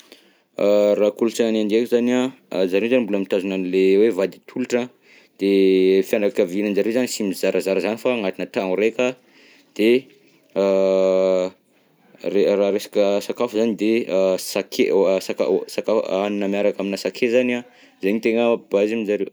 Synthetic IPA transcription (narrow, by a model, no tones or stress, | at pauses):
arakuluʈ͡ʂaanand̪ekuzania | zaɾewzanimbuləmit̪azunanilewevad̪it̪ʰuluʈ͡ʂa | d̪̥efianakavinənzaɾewzanisimizaɾazaɾəzanifaŋat̪inət̪aŋuɾekʲa | d̪̥e | reraɾesḁkʲəsakafuzanid̪esakʰesaka̰sakafanunəmiaɾakaminasakʰezana | zeɲit̪eŋəbazamizaɾew